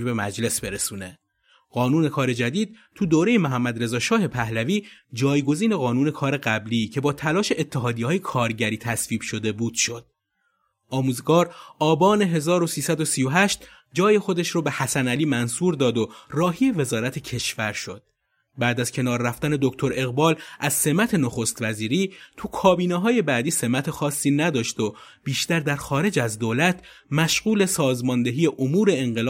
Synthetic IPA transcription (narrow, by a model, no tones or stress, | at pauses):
be̞mæd͡ʒle̞sbe̞ɾesuːne̞ | ɢɒːnuːne̞kʰɒːɾe̞d͡ʒæd̪iːd̪̚t̪ʰud̪oːɾejemoɦæmːæd̪ɾe̞zɒːʃɒːhe̞pʰæhlæviːd͡ʒɒːjɡo̞ziːne̞ɣɒːnuːne̞kʰɒːɾe̞ɣæbliːcʰe̞bɒːt̪ʰælɒːʃe̞ʔet̪ʰːeɦɒːd̪iːɒːjekʰɒːɾɟæɾiːt̪ʰæsviːb̥ʃo̞d̪e̞buːd̪̥ʃo̞d̪̥ | ʔɒːmuːzɡɒːɾɒːbɒːne̞ɦe̞zɒːɾo̞siːsæd̪o̞siːjo̞ɦæʃt̪ | d͡ʒɒːje̞xo̞d̪eʃɾɔːbe̞hæsænæliːmænsuːɾd̪ɒːd̪o̞rɒːɦije̞ve̞zɒːɾæt̪ʰe̞cʰe̞ʃfæɾʃo̞̰d̪̥̚ | bæd̪æz̥cʰe̞nɒːɾːæft̪æne̞d̪oct̪ʰo̞ɾe̞ɣbɒːlʔæzse̞mæt̪ʰe̞noxo̞st̪væziːɾiːt̪ʰukʰɒːbiːneɦɒːje̞bæːd̪iːse̞mæt̪ʰe̞xɒːsːiːnæd̪ɒːʃd̪o | b̥iːʃt̪æɾd̪æɾxɒːɾe̞d͡ʒæzd̪oːlæt̪ʰ | mæʃɣuːle̞sɒːzmɒːnd̪e̞ɦiːeʔomuːɾe̞ːŋɢelː